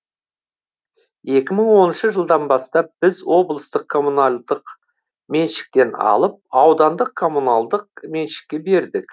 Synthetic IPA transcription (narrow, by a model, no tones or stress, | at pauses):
je̞kʲɪməɴwo̞nənʃəʒəlˠd̪ɑnbɑst̪ɑp̚b̥ɪzwo̞blˠəst̪əqʰo̞munald̪əq | me̞nʃɪ̥k̚t̪e̞nɑ̰lˠəp̚ɑwd̪ɑnd̪əq̚ʰːo̞munalˠd̪əq̚me̞nʃɪ̥k̚ʲːe̞be̞ɾd̪ɪk